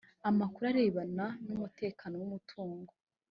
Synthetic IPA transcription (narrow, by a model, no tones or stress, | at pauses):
amakuɾaɾe̞ːβananumute̞ːkaːnowumutʰuːŋɡo